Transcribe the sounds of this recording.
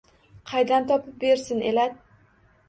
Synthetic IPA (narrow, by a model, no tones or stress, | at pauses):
qʰɑjd̪ant̪ʰɒpɪp̚beɾsɪnʔḛlad̪̚